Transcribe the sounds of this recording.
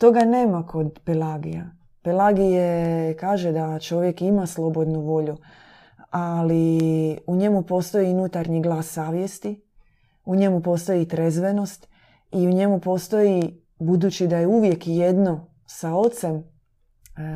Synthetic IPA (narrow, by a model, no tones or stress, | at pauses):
t̪o̞ɡane̞ːmakʰo̞d̪pelaɡḭja̰ | pelaɡijekaːʒe̞d̪at͡ʃo̞ʋje̞kimaslˠo̞bo̞d̪nuʋo̞ʎu | aliuɲe̞mupo̞st̪o̞jiunut̪aɾɲiɡlˠaːsːaːʋje̞st̪i | uɲe̞mupo̞st̪o̞jit̪ɾezʋe̞no̞st̪ | iuɲe̞mupo̞st̪o̞ji | bud̪uːt͡ʃid̪ajeuʋje̞kjed̪no̞ | sao̞t̪se̞m